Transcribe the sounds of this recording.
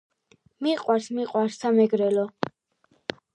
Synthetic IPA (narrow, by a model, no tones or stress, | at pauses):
miqʼwaɾsmiqʼwaɾsːamɛɡɾɛlɔ